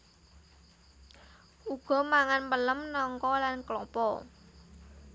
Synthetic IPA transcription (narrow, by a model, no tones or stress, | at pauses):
ʔuɡ̥ɔ̤maŋanmpələmnɔŋkɔlanklɔpɔ